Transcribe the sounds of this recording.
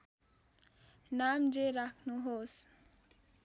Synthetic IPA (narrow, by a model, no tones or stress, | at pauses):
namd͡ʒeɾakʰnuɦos